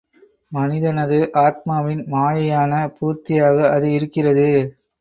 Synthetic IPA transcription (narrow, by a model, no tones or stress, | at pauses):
mɐnɪðɐnɐðɯʔaːt̪̚maːʋɪnmaːjɐjaːnɐpuːɾt̪ɪjaːɣɐːðɯɪɾɯkːɪrɐðɯ